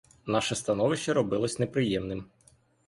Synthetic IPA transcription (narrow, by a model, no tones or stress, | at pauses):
nɑʃɛst̪ɐnɔʋɪʃt͡ʃːɐɾɔbɪlˠɔsʲnepɾɪjɛmnɪm